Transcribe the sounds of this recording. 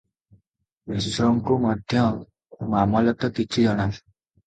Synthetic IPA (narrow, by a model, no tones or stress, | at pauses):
isɾɔŋkumɔd̪ʱjɔ | mamɔlɔt̪ɔkit͡ʃʰid͡ʒɔɽ̃al